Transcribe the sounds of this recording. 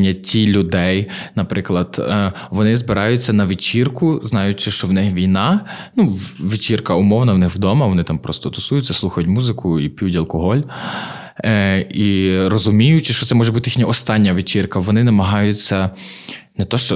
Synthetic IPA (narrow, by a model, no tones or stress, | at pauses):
nʲːɐtʲilʲʊd̪ɛjnɐpɾɪklˠɐd̪̥ʋɔnɪzbɪɾɑjʊt͡sʲːɐnɐʋʲɪt͡ʃirkʊznɑjʊt͡ʃɪʃt͡ʃɔwnɪxʋʲijnɑnuʋʲit͡ʃirkɐʊmɔwnɐwnɪxwd̪ɔmɐʋɔnɪt̪ɑmpɾɔst̪ɔt̪ʊsujʊt͡sʲːɐsˠuxɐjʊtʲmuzɪkʰʊipʲijutʲɐlˠkɔɦɔlʲ | iɾɔzʊmʲijʊt͡ʃɪʃt͡ʃɔt̪ɛmɔʒɛbut̪ɪjixnʲɐɔst̪ɑnʲːɐʋɪt͡ʃirkɐʋɔnɪnɐmɐɦɑjʊt͡sʲːɐ | nɛt̪ɔʃt͡ʃɔ